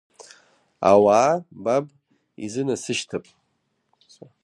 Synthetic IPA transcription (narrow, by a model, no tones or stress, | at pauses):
a̰waːbab | ḭzɨnasɨʃtʰapʼ